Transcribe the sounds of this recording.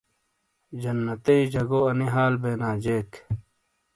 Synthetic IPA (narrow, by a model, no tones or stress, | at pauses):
d͡ʑɐnːɐt̪ɐid͡ʑɐɡoːɐniɦaːlbeːnaːd͡ʑeːk